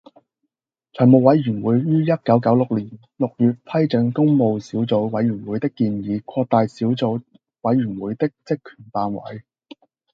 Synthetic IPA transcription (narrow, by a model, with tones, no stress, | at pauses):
t͡ʃʰœ˨˩mo˨wwɐ˨˧˥jɥyː˨˩nwuː˨˧jɥyː˥jɐ˥t̚kɐ˨˥wkɐ˨˥wlʊ˨k̚liː˨˩n | lʊ˨k̚jyː˨t̚pʰɐ˥jt͡sɪ˨˧ŋkʊ˥ŋmo˨˧wsiː˨˥wt͡so˨˧wwɐ˨˥jɥyː˨˩nwu˨˧jt̪ɪ˥kːiː˧njiː˨˧kʷʰɔː˧k̚t̪aː˨jsiː˨˥wt͡so˨˧w | wɐ˨˥jɥyː˨˩nwuː˨˧˥jt̪ɪ˥k̚t͡sɪ˥kʰːy̥ː˨˩npaː˧nwɐ̰˨˥j